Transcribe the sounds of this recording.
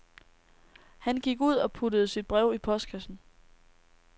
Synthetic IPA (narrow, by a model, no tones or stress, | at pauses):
hænɡ̥iɡ̥uð̞̰ˠɒ̽pʰudəð̞̩ˠsid̥̚b̥ʁɛʊ̰ipʰɒ̽sd̥kʰæsn̩